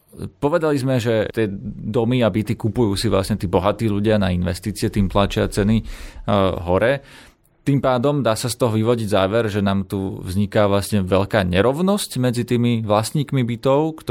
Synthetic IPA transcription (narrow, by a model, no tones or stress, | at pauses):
pɔʋɛd̪alizmɛʒɛt̪ɪɛd̪ɔmiabit̪ikupujuːsiʋla̰sɲɛt̪iːbɔɦat̪iːʎuɟɪanainʋɛ̰st̪iːt͡sɪɛt̪iːmplat͡ʃɪa̰t͡sɛni | ɦɔɾɛ | t̪impaːd̪ɔmd̪aːsast̪ɔɦɔʋiʋɔɟiɟzaːʋɛɾʒɛnaːmt̪uvzɲikaʋlasɲɛʋɛʎkaːɲɛɾɔʋnɔscmɛd͡zit̪iːmiʋlasɲiːkmibit̪ɔʊkt̪